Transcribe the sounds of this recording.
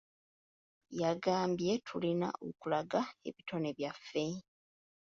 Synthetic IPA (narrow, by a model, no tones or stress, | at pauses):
jaɡaːmbje̞tʰulina̰ʔo̰kulaɡae̞βitʰo̞neβjafːe̞